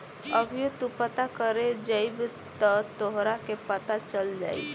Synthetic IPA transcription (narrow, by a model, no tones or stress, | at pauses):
əbʱijot̪upət̪akəɾed͡ʒəib | t̪ət̪oɦɾakepət̪at͡ʃəld͡ʒa̰ːḭ